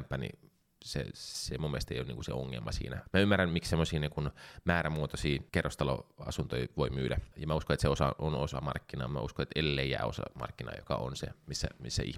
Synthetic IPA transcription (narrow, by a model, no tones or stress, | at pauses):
mpːæːnḭ | sḛsemumːest̪eˑijo̰ːnḭŋkusḛoŋːḛlmɑsḭːnæmæymːærːænmikssemːosiːnikunmæːɾæmuot̪osiːkerːost̪ɑlo̰ɑ̰sunt̪oiʋoimyːdæjɑmæuskonet̪seosɑʔonosɑ̰mɑrkːinɑːmæ̰uskoet̪elːeijæ̰ːosɑ̰mɑ̰rkːinɑ̰ːjokɑonsḛmisːæ̰misːæʔḭ